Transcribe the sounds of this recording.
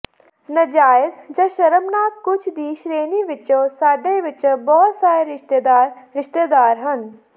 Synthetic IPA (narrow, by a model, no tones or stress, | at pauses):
nəd͡ʒaːɪzd͡ʒəʃəɾəmnaːk̪̚kʊt͡ʃʰd̪iːʃɾeːniʋɪt͡ʃõːsaːɖeʋɪt͡ʃbɔːt̪saːɾeɾɪʃt̪ed̪aːɾɾɪʃt̪eːd̪aːɾɦən